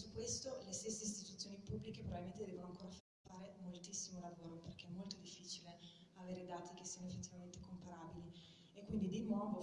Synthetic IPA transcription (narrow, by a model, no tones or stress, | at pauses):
sukːwest̪olest̪esːeist̪it̪ut̪sːjoːnipubːlikepɾovavilment̪ed̪ɛvonoaŋkoːɾafa | faːɾemolt̪isːimolavoːɾoperkeɛmːolt̪od̪ifːiːt͡ʃile | aveːɾed̪aːt̪ikesːiːanoefːet̪ːivament̪ekompaɾaːbili | ekːwind̪id̪inwɔːvo